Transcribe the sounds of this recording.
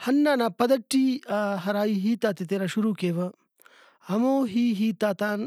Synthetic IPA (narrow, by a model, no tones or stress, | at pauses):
hɐnːaːnapɐd̪ɐʈːiaɦɐɾaːjiɦiːt̪aːt̪it̪eːɾɐʃuɾuːkeːʋɐ | ɐmoːɦiːɦiːt̪aːt̪aːn